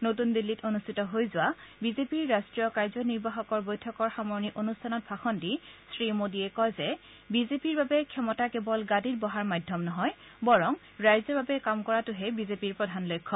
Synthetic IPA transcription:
not̬undilːitonustʰitɔɦojzʊwabizepiɹːastɹijɔkaɹzɔniɹbaxɔkɔɹbojtʰɔkɔɹxamɔɹniʔonustʰanɔt̚bʱaxɔntisɹimodiɛkɔjzɛ | bizepiɹbabɛkʰɛmɔtakɛbɔlɡaditbɔɦaɹmadʱːɔmnɔɦɔj | bɔɹɔŋ | ɹajzɔbabɛkamkɔɹatʊɦɛbizepiɹpɹɔdʱanlojkʰːɔ

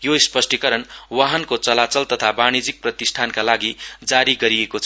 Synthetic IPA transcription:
joispʌsʈʰikʌɾʌnwaɦʌnkot͡sʌlat͡sʌlt̪ʌt̪ʰabaɽ̃id͡zik̚prʌt̪isʈʰankalaɡid͡zaɾiɡʌɾiekot͡sʰ

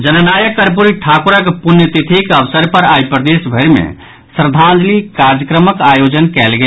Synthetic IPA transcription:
d͡ʒənənajəkːəɾp̬uɾiʈʰakuɾəkpunjət̪it̪ʰikəbsəɾpəɾajpɾəd̪esbʱəɾmḛ | sɾd̪ʱãnd͡ʒlikaɾd͡ʒəkɾəməkajod͡ʒənkɛlɡe

